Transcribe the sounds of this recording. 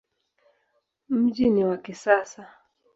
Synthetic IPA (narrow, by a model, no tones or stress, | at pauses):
m̩ʄiniwakisasa